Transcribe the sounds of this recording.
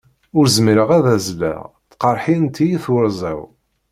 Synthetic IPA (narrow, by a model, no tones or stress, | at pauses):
ʊɾzmiɾəʁæðæzlæ̰ʁ | θqɑɾˤħint̪ʰːijiθwəɾzˤæ̰w